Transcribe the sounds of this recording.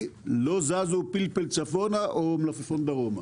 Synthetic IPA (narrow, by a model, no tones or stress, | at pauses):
lozazupilpelt͡safonaʔomlafafond̪aɣoma